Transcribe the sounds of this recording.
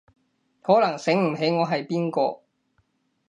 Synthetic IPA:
hɔː˨˥lɐ˨˩ŋsɪ˨˥ŋm̩˨˩ɦe˨˥jŋɔː˨˧ɦɐ˨jpiː˥nkɔː˧

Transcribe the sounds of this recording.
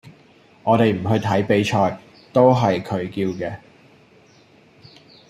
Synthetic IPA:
ŋɔː˨˧t̪e˨jm̩˨˩ɦɵ˧ɥt̪ʰɐ˨˥jpe˨˥jt͡ʃʰɔː˨j | t̪o˥wɦɐ˨jkʰɵ˨˧ɥkiː˧wkɛː˧

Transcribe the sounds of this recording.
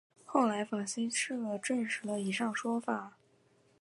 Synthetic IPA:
xo˥˩ʊla˧˥ɪfa˨˩ɕi˥nʂɻ̩˥˩ə˧˩ʈ͡ʂə˥˩nʂɻ̩˧˥lə˧i˧˩ʂɑ˥˩ŋʂwɔ˥fa˨˩˦

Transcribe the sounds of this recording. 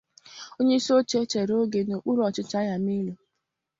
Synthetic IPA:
o˦ɲe˦i˦so˦t͡ʃe˦t͡ʃe˨ɾo˦ɡe˨no˨k͡pu˦ɾɔ˨t͡ʃɪ˦t͡ʃa˦ja˨mi˦lo˨

